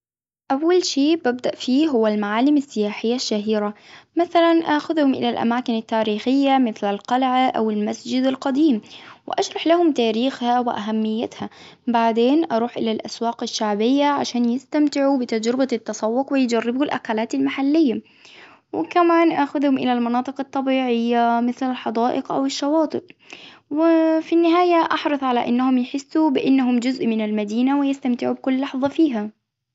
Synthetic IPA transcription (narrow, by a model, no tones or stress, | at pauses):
ʔawːalʃiːbab̚d̪aʔfiːɦʊwːalmaʕaːlɪmasːɪjaːħɪjːaʃːaɦiːɾamaθalanʔaːxʊðhʊmʔɪ̰lalʔa̰maːkɪnat̪ːaːɾiːxɪjːamɪθlalqɑlʕaʔa̰wɪlmasd͡ʒɪd̪alqɑd̪iːmwɪ̰ʔaʃɾˤɑħlahʊmt̪aːɾiːxhawɪʔaɦamːɪjːat̪ha | baʕd̪eːnʔɑɾˤuːħʔɪlalʔaswaːqɪʃːaʕbɪjːaʕaʃaːnjɪst̪amt̪ɪʕubɪt̪ad͡ʒɾɪbat̪ːɑsˤɑwːʊqwɪjd͡ʒarːɪbulʔa̰kalaːt̪almaħalːɪjːa | wɪkamaːnʔaxʊðhʊmʔɪlalmɑnɑːt̪ˤɨqɑt̪ˤːɑbiːʕɪjːamɪθlalħɑd̪ɑːʔɪqʔa̰wɪʃːɑwɑːt̪ˤɨʔ | wɪfinːɪɦaːjaʔɑħɾɑθˤʕalaʔɪnːahʊmjɪħɪsːubɪʔɪnːaɦʊmd͡ʒʊzʔmɪnalmad̪iːnawɪjɪst̪amt̪ɪʕubɪkʊlːɑħðˤɑfiːɦa